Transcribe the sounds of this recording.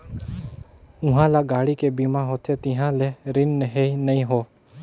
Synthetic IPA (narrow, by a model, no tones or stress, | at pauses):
ʊɦãːlaːɡaːɽiːkeːbiːmãːɦoːt̪ʰeːt̪ɪ̃ːɦãːleːɾɪnːeɦeːinəĩːɦoː